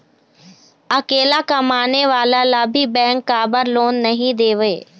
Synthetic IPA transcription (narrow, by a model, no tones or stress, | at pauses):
ɐkeːlakɐmaːneʋaːlalabʱibɛ̃ːŋkːabəɾloːnːɐɦĩd̪eːʋeː